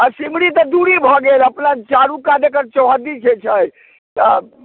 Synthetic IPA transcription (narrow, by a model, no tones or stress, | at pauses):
asimɽit̪ɔd̪uɾibʱɔɡeləpnat͡ʃaɾukad̪ekəɾt͡ʃɔɦəd̪it͡ʃʰɛt͡ʃʰəj | t̪ə